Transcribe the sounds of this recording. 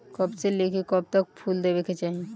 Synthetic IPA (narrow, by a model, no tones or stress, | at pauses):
kɐbselekekɔb̚t̪ɐk̚pʰuːld̪ebeket͡ʃaːɦie